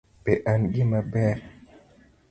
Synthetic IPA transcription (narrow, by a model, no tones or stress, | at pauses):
beʔanɡimabɛ